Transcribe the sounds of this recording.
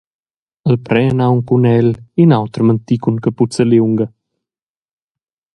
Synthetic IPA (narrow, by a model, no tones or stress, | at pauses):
əlpɾɛnawŋkunɛlinawt̪ɾmənt̪ikunkəput͡səliuŋɡə